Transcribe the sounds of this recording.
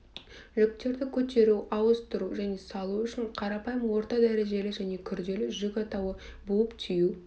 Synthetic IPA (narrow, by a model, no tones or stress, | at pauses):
ʒʏk̚t̪e̞ɾd̪ɪkʲʰɵt̪e̞ɾuɑwəst̪ʊɾuʒæne̞sɑlˠuʏʃɪɴqʰɑɾɑpɑjəmwo̞ɾt̪ɑd̪æɾe̞ʒe̞lɪʒæne̞kʲʰʏɾd̪e̞lɪʒʏkʲɑt̪ɑwəbuəpt̪ʰiju